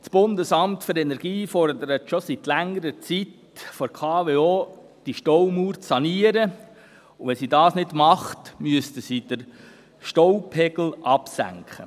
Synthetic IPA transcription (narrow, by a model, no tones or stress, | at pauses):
t͡sb̥ʊnd̪əsɑmtfɵɾɛnɛɾɡ̥iːfɔrd̪əɾətʃɔsit̪læŋːəɾət͡sit | fɔɾkʰɑːveoː | d̥iʃtɔwmuːɾt͡sːɑniəɾə | ʊʋɛsidɑːsnɪdmɑχtmyəstəsid̥əɾ | ʃtɔwpʰɛɡ̥l̩ʔɑpsæ̰ŋkχə̰